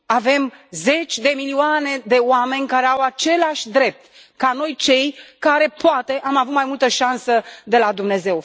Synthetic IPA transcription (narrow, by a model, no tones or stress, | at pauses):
ave̞mze̞t͡ʃʲd̪e̞milioane̞d̪e̞oame̞nʲkaɾe̞awat͡ʃe̞laʃʲd̪ɾe̞p̚t̪ | kano̞jt͡ʃe̞jkaɾe̞poat̪e̞ʔamavut̪majmult̪əʃansəd̪e̞lad̪umne̞ze̞w